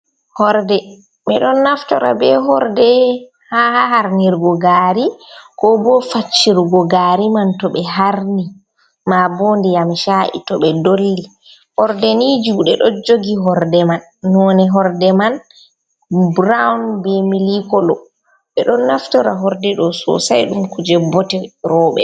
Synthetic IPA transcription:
hɔɾdɛ | ɓɛɗɔnːaftɔɾa̰bɛɦɔɾdɛ | hahahaɾniɾɡɔɡaɾikɔbɔfat͡ʃːiɾɡɔɡaɾimantɔɓɛɦaɾni | mabɔndɛjamʃaʔḭtɔɓɛdolːi | hɔɾdɛnid͡ʒuːɗɛɗɔd͡ʒoɡiɦɔɾdɛmanːɔnɛɦɔɾdɛman | bɾawnbemilikɔlɔ | ɓɛɗɔnːaftɔɾaɦɔɾdɛɗɔsɔ̰sajɗumkud͡ʒɛbɔtɛɾɔːɓɛ̰

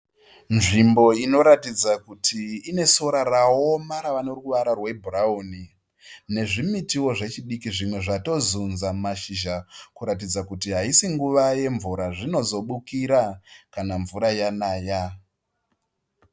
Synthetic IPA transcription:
nʐimbo̞ino̞ɾatid͡zakutʰiːne̞so̞ɾarao̞maɾaʋanoruʋaɾarwe̞bʱuraoni | ne̞ʐimitiwo̞ʐe̞t͡ʃiɗikiʐimwe̞ʐato̞zunzamaʃiʒakuɾatid͡zakutiɦaisiŋɡuʋaje̞ɱvuɾaʐino̞zo̞ɓukiɾakanaɱvuɾajanaːja

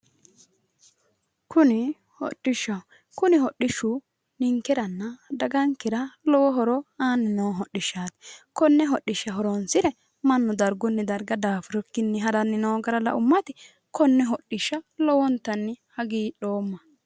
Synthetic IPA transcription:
kʊnɪ | hɔ̰ɗːɪʃːɐw | kʊnɪɦɔɗːɪʃːu | nɪŋkːɛɾɐnːɐd̪ɐɡɐŋkːɪɾɐlɔwɔɦɔɾɔaːnːɪnoːɦɔɗːɪʃːaːt̪kɔnːɛɦɔɗːɪʃːɐɦɔɾɔnsɪɾɛ | mɐnːʊd̪ɐɾɡʊnːɛd̪ɐɾɡɐd̪aːfʊɾɔkːɪnːɛɦɐɾɐnːɪnoːɡɐɾɐlɐ̰ʔʊmːɐt̪ɪ | kɔnːɛɦɔɗːɪʃːɐlɔwɔnt̪ːɐnːɪhɐɡiːᶑo̞ːmːɐ

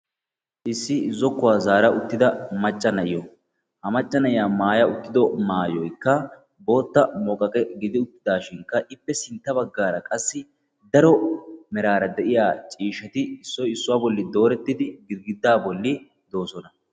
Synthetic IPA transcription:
ʔɪsːɪzɔkːʊwaːzaːɾɐʔʊt̪ːɪd̪ɐmɐt͡ʃʼːɐnɐʔɪjɔ | hɐmɐt͡ʃʼːɐnɐʔɪjaːmaːjɐʊt̪ːɪd̪ɔmaːjɔjkːɐ | bo̞ːt̪ːɐmɔːkʼɐkʼɛɡɪd̪ɪʊt̪ːɪd̪aːʃɪŋkːɐʔɪpːɛsɪnt̪ːɐbɐɡːaːɾɐkʼɐsːɪ | d̪ɐɾɔmɛɾaːɾɐd̪ɛʔɪjaːt͡ʃʼiːʃɐt̪ɪɪsːɔjɪsːʊwaːbɔlːɪd̪o̞ːɾɛt̪ːɪd̪ɪɡɪɾɡɪd̪ːaːbɔlːɪ | d̪o̞ːsɔnɐ

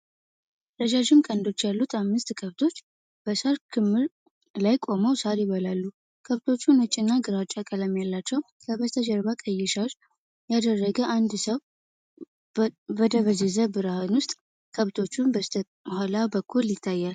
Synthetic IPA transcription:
ɾəd͡ʒaʒɪmkʼənd̪o̞t͡ʃːjalːut̪ʰamːɨst̪kʰəβt̪ʰo̞t͡ʃː | b̥əsaɾkʰɨmːɨɾ | lajkʼo̞məwsaɾjɪβəlalːu | kʰəβt̪ʰo̞t͡ʃːunət͡ʃʼːɪnːaɡɨɾat͡ʃʼːakʼələmjalːat͡ʃːɛw | kʰəbəst̪ʰəd͡ʒəɾβakʼəjːɛʃaʒ | jad̪ərːəɡəʔand̪səw | bəd̪əβəzezəbɨɾahɨnwʊst̪ʼ | kʰəβt̪ʰo̞t͡ʃːunbə | halabəkːuljɪt̪ʰːajːal

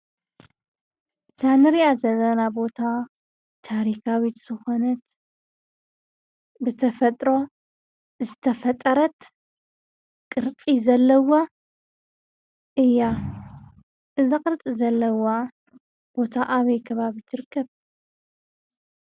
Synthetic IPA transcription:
sanɨɾiazɐlɐnabo̞t̪ʰa | t̪ʰaɾikawit̪z̥ɨxo̞nɐt̪ | bɨt̪ʰɐfɐt̪ʼɾo̞ | zɨt̪ʰɐfɐt̪ʼɐɾɐt̪ | kʼɨɾt͡sʼizɐlːɐwa | ʔɨjːa | ʔɨzakʼɨɾt͡s̪ʼizɐlːɐwa | b̥o̞t̪ʰaʔaβɐjkʰɐβaβit̪ʰɨɾɨkʰːɐβ

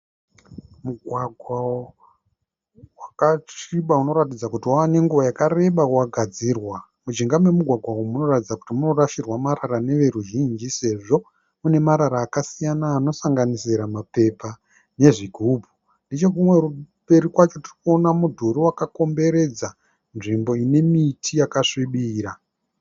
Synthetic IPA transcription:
muɡʱwaɡʱwao | wakat͡ʃiɓauno̞ɾatid͡zakutiwawane̞ŋɡuʋojakare̞ɓawaɡʱad͡zirwa | mud͡ʒiŋɡamwe̞muɡʱwaɡʱwawomuno̞ratid͡zaku̥timuno̞raʃirwamaɾarane̞ʋe̞ɾuʒind͡ʒise̞ʐo̞ | mune̞maɾaɾaːkasijanaːno̞saŋɡanisiɾamape̞pa | ne̞ʐiɡʱubʱu | ndit͡ʃe̞kumwe̞ru | pe̞ɾikwat͡ʃo̞tirikuo̞namudʱuɾiwakako̞mbe̞ɾe̞d͡za | nʐimbo̞ine̞mitʰijakaʂiɓiːɾa

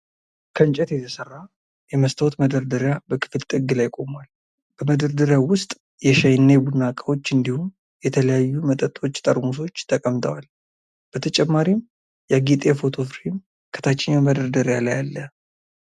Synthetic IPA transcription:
kʰənt͡ʃʼɛt̪jɛt̪ʰəsərːa | jɛməst̪ʰəwot̪məd̪əɾd̪əɾjabəkʰɨ̥fɨlt̪ʼɨɡːɨlajkʼo̞mwal | b̥əməd̪əɾd̪əɾjawʊst̪ʼ | jɛʃajnːebunakʼawo̞t͡ʃːɨnd̪ihum | jɛt̪ʰələjajːumət̪ʼət̪ʼo̞t͡ʃːt̪ʼəɾmus̬o̞t͡ʃːt̪ʰəkʼəmt̪ʰəwal | b̥ət̪ʰət͡ʃʼɛmːaɾim | jaɡit̪ʼefo̞t̪ʰo̞fɾim | kʰə̥t̪ʰat͡ʃːɪɲaməd̪əɾd̪əɾjalajalːə

